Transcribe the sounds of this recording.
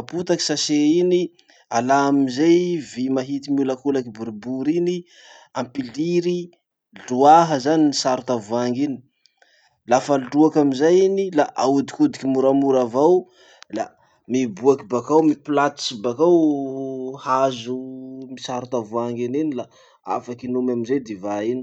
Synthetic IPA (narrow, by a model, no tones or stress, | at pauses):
aput̪aki̥saseini | alaamizajvimaɦit̪imiulakulakibuɾibuɾini | ampiliɾi | ɮuaɦəzaninisaɾut̪avuaŋɡini̥ | lafaluɖ͡ʐuakamizajinilaʔaud̪ikud̪ikimuɾamuɾavaw | la | mibuakibakawmipilat̪i̥sibakaw | hazumisaɾut̪avuaŋɡininila | a̰fakinumamizajd̪evaini